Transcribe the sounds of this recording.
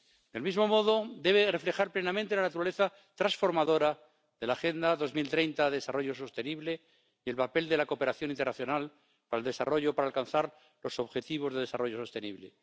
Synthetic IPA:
d̪e̞lmizmo̞mo̞ðo̞d̪e̞β̞e̞re̞fle̞xaɾplenamẽnt̪e̞lanat̪uɾaleθa | t̪ɾasfo̞ɾmaðo̞ɾa | ðe̞laxe̞nd̪aðo̞zmilt̪ɾejnt̪aðeðesaro̞ʝo̞so̞st̪e̞niβle̞ | e̞lpape̞ld̪e̞lakope̞ɾaθjo̞nint̪ernaθjo̞nal | paɾaelðe̞saro̞ʝopaɾaːlkanθaɾ | lo̞so̞βxe̞t̪iβ̞o̞zðe̞ðe̞saro̞ʝo̞so̞st̪e̞nḭβlḛ

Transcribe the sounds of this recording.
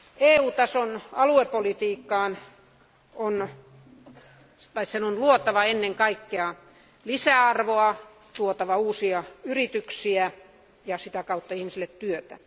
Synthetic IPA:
eːuːt̪ɑsonɑluepolit̪iːkːɑːn | on | t̪ɑissenonluot̪ɑʋɑenːeŋkɑikːeɑ | lisæɑrʋoɑ | t̪uot̪ɑʋɑuːsiɑyrit̪yksiæ | jɑsit̪ækɑut̪ːɑihmisilːˑet̪tyøt̪æ̰

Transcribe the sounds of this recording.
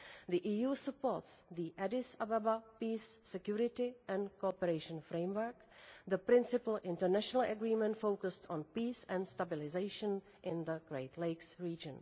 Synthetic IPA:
ðiʔiːjuːsəpoɹtsðiʔɛdɪsababapiːsːɛkjuɾɪtɪʔɛ̃nkopəɾeɪʃə̃nfɾẽɪ̃mwə˞k | ðəpɾɪ̃nsɪpəlɪ̃ntəɹnæʃɔnəlˠəɡɹiːmɛ̃ntfowkəstʰɔ̃npiːsɛ̃ndstabɪlɪzeɪʃə̃n | ʔɪ̃nðəɡɹeɪtʰleɪksɹiːd͡ʒə̃n

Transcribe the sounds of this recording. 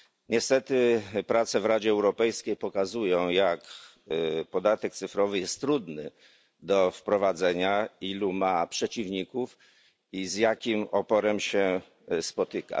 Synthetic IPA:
ɲɛst̪ɛt̪ɘpɾat̪sɛvɾad͡ʑɛːwɾɔpɛjskʲejpɔkazujɔ̃w̃jak | pɔd̪at̪ɛk̚t̪sɘfɾɔvɘjɛst̪ːɾud̪nɘ | d̪ɔfpɾɔvad̪zɛɲailumapʂɛt͡ɕivɲikuf | izjakʲimɔpɔɾɛmɕɛ | spɔt̪ɘka̰

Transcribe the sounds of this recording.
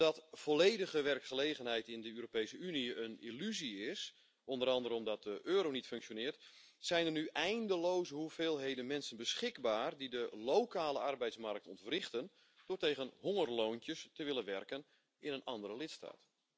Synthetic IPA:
d̥ɔtfolejdəɣəʋɛrkχəleːɣənɦɛjtɪndəøːɾopejsəyniənḭlyziɪs | ʔɔndəɾɑndəɾəɔmdɔt̚dəʔøːɾownitføŋksjonɪːrt | sɛjnərnyʔɛjndəlowzəɦuveːlˠɦejdənmɛnsənbəsχɪɡbaːrdidəlowkaːləɑrbɛjtsmɑrk̚tɔ̰ntfrɪχtən | d̥orteːɣənɦɔŋərlowntjəstəʋɪlənʋɛrkən | ɪnənɑndəɾəlɪtsta̰ːt

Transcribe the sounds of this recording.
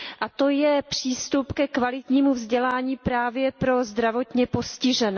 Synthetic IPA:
ʔat̪o̞jɛpr̝̥iːst̪upkɛkvalɪt̪ɲiːmuvzɟɛlaːɲiːpɾaːvjɛpɾo̞zd̪ɾavo̞t̪ɲɛpo̞scɪʒɛnɛː

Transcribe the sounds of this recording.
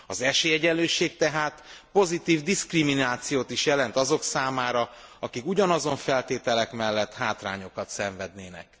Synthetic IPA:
ɒzɛʃeːjɛɟɛløːʃeːk̚t̪ɛɦaːt̪po̞zit̪iːvd̪iskriminaːt̪sijoːt̪iʃjɛlɛnt̪ɒzo̞ksaːmaːɾɒɒkikuɟɒnɒzo̞ɱfɛlt̪eːt̪ɛlɛkmɛlːɛt̪ːhaːt̪ra̰ːɲo̞kɒt̪sɛɱvɛd̪neːnɛ̰k

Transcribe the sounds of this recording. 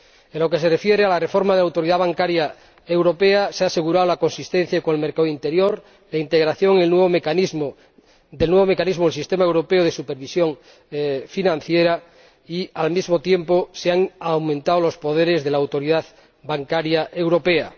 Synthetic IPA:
e̞nlo̞ke̞se̞refjeɾealare̞fo̞ɾmaðlawt̪oɾiðaβaŋkaɾja | e̞wɾo̞pe̞asease̞ɣuɾaolako̞nsist̪en̟θjakoŋelme̞ɾkaint̪e̞ɾjoɾ | laint̪eɣɾaθjo̞ŋelnweβ̞omekanizmo | d̪elnweβ̞ome̞kanizmoelsist̪emaewɾo̞peoð̞e̞supeɾβisjo̞ŋ | finãn̟θjeɾa | ialmizmo̞t̪je̞mposeaŋawmẽnt̪awolo̞spo̞ð̞e̞ɾe̞zðe̞lawt̪o̞ɾiðað | baŋkaɾjaʔewɾo̞pe̞a

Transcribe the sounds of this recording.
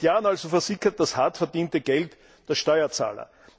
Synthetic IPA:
jaːnalzofɛɐzɪçɐt̚d̥ashatfɛɐdiːntəɡ̥ɛlt | d̥eːɐʃtɔʏɐt͡sa̰ːlɐ̰

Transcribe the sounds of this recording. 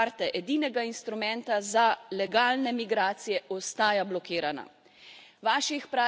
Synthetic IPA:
aɾt̪ɛʔɛd̪iːnɛɡainst̪ɾumɛnt̪azalɛɡaːlnɛmiɡɾaːt̪sijɛʔɔst̪aːjablɔkiːɾana̰ | ʋaːʃixpɾaː

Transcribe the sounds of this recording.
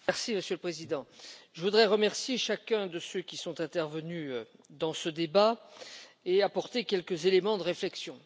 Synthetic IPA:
mɛʁsiməsjøləpχezid̪ɑ̃ʒəvud̪ʁɛʁəmɛʁsjeʃakʲɛ̃d̪əsøkʲisɔ̃t̪ɛ̃t̪ɛʁvənyø | d̪ɑ̃səd̪eba | eapɔʁt̪ekʲɛlkəzelemɑ̃d̪əʁeflɛksjɔ̃

